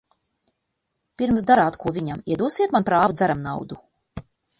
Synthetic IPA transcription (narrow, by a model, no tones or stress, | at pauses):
piɾmsd̪aɾaːt̪kʰuɔvʲiɲamiɛd̪uɔsiɛt̪manpɾaːvud̪zæɾamnawd̪u